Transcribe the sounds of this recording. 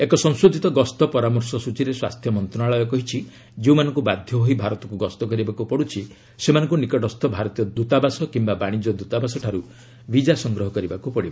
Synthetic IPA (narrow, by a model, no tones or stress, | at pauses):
ekɔsɔŋsod̪ʱit̪ɔɡɔst̪ɔpɔɾamɔɾsɔsut͡ʃiɾeswast̪ʰjɔmɔnt̪ɾɔnaɭɔjɔkɔɦit͡ʃʰi | d͡ʒeũmanɔŋkubad̪ʱjɔɦoɦibʱaɾɔt̪ɔkuɡɔst̪ɔkɔɾibakupɔɽut͡ʃʰi | semanɔ̃ŋkunikɔʈɔst̪ɔbʱaɾɔt̪ijɔd̪ut̪abasɔkimbabaɽ̃id͡ʒɔd̪ut̪abasɔʈʰaɾu | bid͡ʒasɔŋɡɾɔɦɔkɔɾibakupɔɽiba